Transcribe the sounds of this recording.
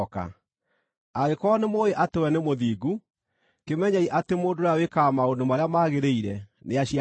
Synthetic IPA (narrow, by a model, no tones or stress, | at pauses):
ka̰ | aɣekɔnemoeʔatewɛnemoðiːɡu | kemɛɲaiʔatemoːndoɾawekamaondomaɾeamaɣeɾeiɾɛ̰neaɕia